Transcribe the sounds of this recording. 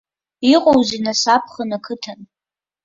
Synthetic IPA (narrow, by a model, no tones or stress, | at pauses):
iqʼowzinasapʰχənakʰɨtʰan